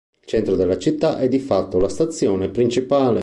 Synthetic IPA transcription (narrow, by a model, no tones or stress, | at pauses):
ilt͡ʃɛnt̪ɾod̪elːat͡ʃit̪ːaʔɛd̪ifat̪ːolast̪at̪sːjɔːnepɾint͡ʃipaːle